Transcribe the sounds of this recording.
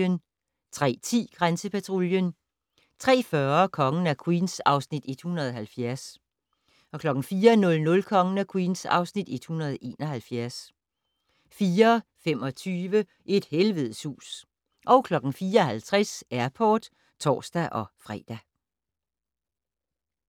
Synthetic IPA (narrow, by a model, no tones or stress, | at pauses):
ən | t͡sʰʁɛ̰ːt͡sʰḭːɡ̥ʁansəpʰæt͡sʰʁo̝ljən | t͡sʰʁɛ̰ːfɶɐkʰɒ̽ŋn̩ækʰwinsɑ̈ʊsnid̥e̝d̥hunɐðˠɦælfjæɐs | ɒ̽kʰlɒ̽ɡ̥ŋ̩fiːɐnɔ̽lnɔ̽lkʰɒ̽ŋən̩ækʰwiːnsɑ̈ʊsnid̥e̝d̥hunɐð̩ˠʔe̝̰ːnɒ̽ɦælfjæɐs | fiːɐfem̰ɒ̽t͡sʰyːʋə | ʔe̝d̥helʋeðˠsṵːs | ʔɒʊkʰlɒ̽ɡ̥ŋ̩fiːɐɒ̽hælt͡sʰʁasæɐpʰɒːd̥ | t͡sʰɒ̰ːsd̥æʔɒ̽fʁɛ̰ːd̥æ